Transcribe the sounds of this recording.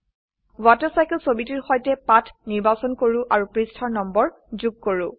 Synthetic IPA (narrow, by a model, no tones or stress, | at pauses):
watɔɹsajkɛlsobitiɹxɔjtɛpatʰniɹbasɔnkoɹũʔaɹupɹistʰaɹnɔmbɔɹ | zuɡ̚koɹʊ̃